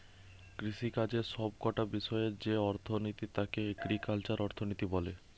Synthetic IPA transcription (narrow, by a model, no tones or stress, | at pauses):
kɾiʃikad͡ʑeʃɔb̚kɔʈabiʃɔeɾd͡ʑeɔɾt̪ʰonit̪it̪akeɡɾikalt͡ɕaɾɔɾt̪ʰonit̪ibɔle